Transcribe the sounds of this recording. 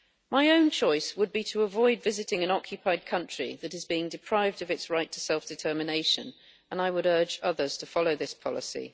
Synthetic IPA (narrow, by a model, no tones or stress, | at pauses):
maɪə̃ʊ̃nt͡ʃʰɔɪswəd̚bitʰəːvɔɪdvɪzɨtɪ̃ŋɨ̃nɒkʰjɨpʰaɪd̚kʰʌ̃nt͡ʃɹ̥ḭðəɾɨzbiɪ̃ŋdɨpʰɹ̥aɪvdʌvɨtsɹaɪtʰə̥sɛlˠfd̥ɨtʰɜːmɪneɪʃə̰̃n | ə̃naɪwəɾɜ˞d͡ʒʌðə˞z̥tʰəfɒloʊðɪspʰɒlɪ̰sḭ